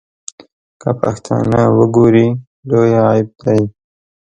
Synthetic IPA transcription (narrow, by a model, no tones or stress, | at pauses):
kapa̰xt̪ʰɑ̰nawəɡoɾi | lojaːɪb̚d̪a